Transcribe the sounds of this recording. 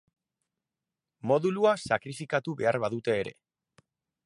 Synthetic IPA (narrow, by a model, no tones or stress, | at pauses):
mo̞ðuluasakɾifikat̪uβe̞aɾβaðut̪e̞ːɾe̞̰